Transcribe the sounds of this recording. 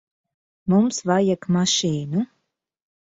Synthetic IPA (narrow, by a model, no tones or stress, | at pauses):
mumsvajakmaʃiːnu